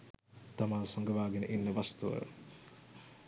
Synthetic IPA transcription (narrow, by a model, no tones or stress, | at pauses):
t̪amaːsoŋɡəʋaːɡenʔinːəʋast̪uə̰